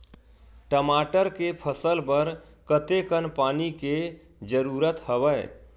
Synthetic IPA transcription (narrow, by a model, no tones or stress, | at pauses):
ʈəmaʈəɾkepʰəsəlpəɾ | kət̪ekənpanike | d͡ʒəɾuɾət̪həbəj